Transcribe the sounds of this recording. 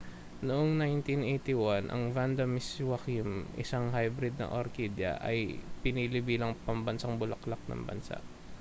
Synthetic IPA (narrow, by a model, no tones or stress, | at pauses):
noʔoŋnajnt̪inʔejt̪iwanʔɐ̰ŋvand̪ɐmɪswakimʔɪ̰saŋɦajbɾɪd̪̚nɐ̰ʔoɾkid̪jɐ̰ʔɐ̰jpɪnilɪbiːlɐŋpɐmbɐnsaŋbʊlɐklak̚nɐ̰ŋbɐ̰nsa̰ʔ